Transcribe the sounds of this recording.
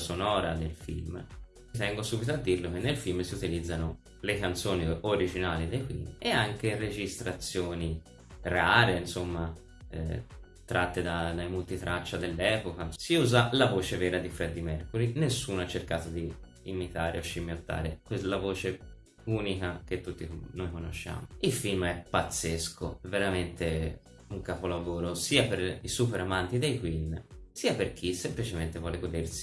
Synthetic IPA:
sonɔːɾad̪elfḭlm | t̪ɛŋɡosuːbit̪oad̪ːirlok̟enːelfilmsiut̪ilid̪zːano | lekant̪soːnioɾid͡ʒinaːlid̪ejkwḭneaŋkered͡ʒist̪ɾat̪sːjoːni | raːɾeinsomːa | ɛ̰ | t̪ɾʔat̪ːed̪ad̪ajmult̪it̪ɾʔat͡ʃːad̪elːɛːpokasiuːzalavoːt͡ʃevɛːɾad̪ifɾɛd̪ːimɛrkoɾinesːuːnoat͡ʃːerkaːt̪od̪iː | mit̪aːɾeoʃːimjot̪ːa̰ːɾḛkwelavoːt͡ʃe | uːnikak̟et̪ːut̪ːinojkono̰ʃːa̰ːmoilfilmɛpːat̪sːeskʰoɛvːeɾament̪e | uŋkapolavoːɾosiːapeɾisuːpeɾamant̪id̪ejkwinsiːaperkʰisemplit͡ʃement̪evwɔːleɡod̪ersi̥

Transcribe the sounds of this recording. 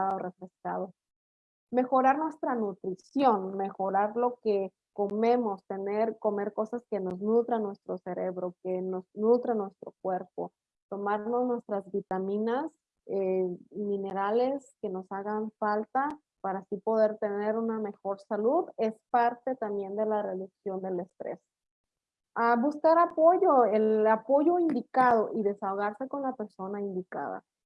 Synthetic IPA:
aðorefɾe̞ska̰ðo | me̞xo̞ɾaɾnwe̞st̪ɾanut̪ɾisjo̞nme̞xo̞ɾaɾlo̞ke̞ | ko̞mẽ̞mo̞st̪e̞neɾko̞me̞ɾko̞saske̞no̞znut̪ɾanwe̞st̪ɾo̞se̞ɾeβɾo̞ke̞noznut̪ɾanwe̞st̪ɾo̞kwe̞ɾpo̞̰ | t̪o̞maɾno̞znwe̞st̪ɾazβit̪amĩnas | emĩne̞ɾale̞ske̞no̞saɣaɱfalt̪a | paɾasipo̞ðe̞ɾt̪e̞ne̞ɾuname̞xo̞ɾsaluðe̞spaɾt̪e̞t̪ambje̞nd̪e̞lare̞ðuksjo̞nd̪ele̞st̪ɾḛs | aβuskaɾapo̞ʝo̞elapo̞ʝo̞ind̪ikað̞o̞ʔiðe̞saoɣaɾse̞ko̞nlape̞ɾso̞naind̪ika̰ða̰

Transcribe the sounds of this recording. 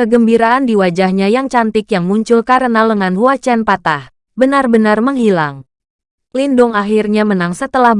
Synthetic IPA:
kəɡəmbiɾaʔːndiwad͡ʒahɲajaŋt͡ʃant̪ɪkjaŋmuɲt͡ʃʊlkaɾənaləŋanuat͡ʃɛnpat̪ah | bənarbənarməŋhilaŋ | lindʊŋaɦirɲamənaŋsət̪əlahb

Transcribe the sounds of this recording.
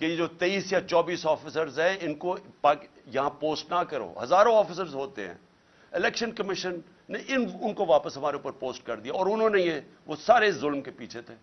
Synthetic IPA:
kejed͡ʒoːt̪eːiːsjat͡ʃɔːbiːsɔːfɪsəɾzɦɛ̃ɪnkopaːk | jɐɦãpoːsʈnakɐɾo̰ːɦɐzaːɾõɔːfɪs̬əɾzɦoːt̪ḛɦɛ̰̃ | ɪlɛːkʃənkəmɪʃənː | eʔɪnʊnkoʋaːpəsɦɐmaːɾeuːpəɾpoːsʈ̚kɐɾd̪ijaɔːɾʊnɦõːnejeʋosaːɾeɪszʊlmkepiːt͡ʃʰet̪ʰeː

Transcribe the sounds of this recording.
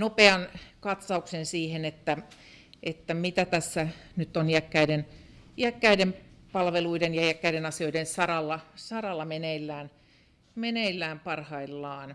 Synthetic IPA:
nopeɑnkɑt̪sɑuksensiːhenet̪ːæ | et̪ːæmit̪æt̪æsːænyt̪ːonjækːæidenjækːæidempɑlʋeluidenjɑjækːæidenɑsioidensɑrɑlːɑsɑrɑlːɑmeneilːæːn | meneilːæːmpɑrhɑilːɑːn

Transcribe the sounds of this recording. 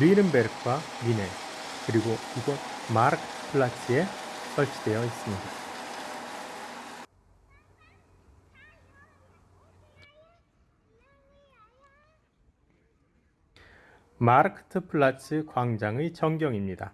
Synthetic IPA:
ɾiɾɯnbeɾk̚k͈wa | mine̞ | kɯɾiɡoiɡʌmaɾkʰtʰɯ̥pʰɯɭːat͡ɕʰɯe̞s͈ʌɭt͡ɕʰi̥dwe̞jʌis͈ɯmɲida | maɾkʰɯ̥tʰɯpʰɯɭːat͡ɕʰɯkwaŋd͡ʑaŋɯt͡ɕʌŋɡjʌŋimɲida̰

